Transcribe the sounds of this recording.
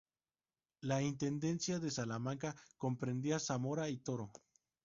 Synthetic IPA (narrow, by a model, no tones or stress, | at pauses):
laint̪e̞nd̪e̞nsjaðe̞salamãŋkako̞mpɾe̞nd̪iasamo̞ɾait̪o̞ɾo̞